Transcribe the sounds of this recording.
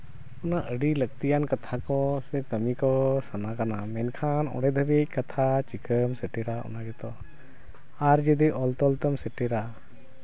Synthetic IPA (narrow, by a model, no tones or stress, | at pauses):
ɔnaʔəɖilək̚t̪ijankat̪ʰakɔsɛkəmikɔsanakanamɛnkʰanɔ̰ɽɛd̪ʱəbec̚ˀkat̪ʰat͡ʃikəmsɛʈɛɾaɔ̰naɡɛt̪ɔ | aɾd͡ʒəd̪iʔɔlt̪ɔlt̪əmsəʈɛɾa